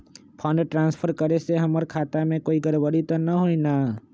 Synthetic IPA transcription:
pʰɔ̃ɳɖʈɾãːnspʰəɾkəɾeseɦɐməɾkʰaːt̪amẽkoːiɡəɾbəɽit̪onɐɦoina

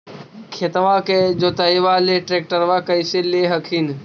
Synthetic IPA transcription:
kʰet̪ʋãked͡ʒoːt̪əiʋaːleʈɾeːk̚ʈəɾʋakəiseleɦəkʰin

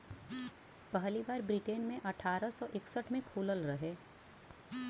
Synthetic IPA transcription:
pɐɦlibaːɾbɾiʈeːnmẽʔɐʈʰaːɾəsɔːʔɪksəʈʰmẽkʰuːləlɾɐɦeː

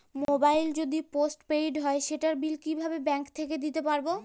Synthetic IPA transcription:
mobajld͡ʑod̪iposʈpejɖɦɔeʃeʈaɾbilkibʱabebɛŋkt̪ʰeked̪it̪epaɾbo

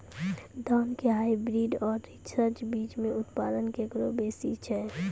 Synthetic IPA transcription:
d̪ankeɦaːibɾiɖɔːɾːit͡ʃʰɾəd͡ʒbiːt͡ʃmẽʊt̪pad̪ənkekɾobesit͡ʃʰɛ

